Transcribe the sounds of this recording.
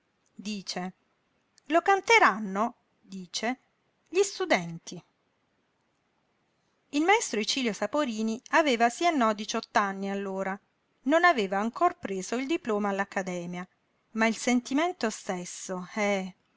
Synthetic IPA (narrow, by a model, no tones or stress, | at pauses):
d̪iːt͡ʃe | lokant̪eɾanːo | d̪iːt͡ʃe | ʎist̪ud̪ɛnt̪ʰi | ilmaest̪ɾoet͡ʃiːljosapoɾiːniaveːvasienːɔd̪it͡ʃɔt̪ːanːialːoːɾa | nonaveːvaːŋkorpɾeːzoild̪iploːmaːlːakːad̪ɛːmja | mailsent̪iment̪ost̪esːoɛ